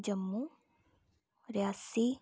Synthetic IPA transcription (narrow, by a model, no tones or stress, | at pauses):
d͡ʒəmːu | ɾjasi